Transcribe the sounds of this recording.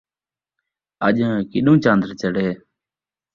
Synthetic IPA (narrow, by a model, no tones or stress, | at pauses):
əʄə̃ːkɪɗũːt͡ʃãːnd̪ɾt͡ʃəɽeː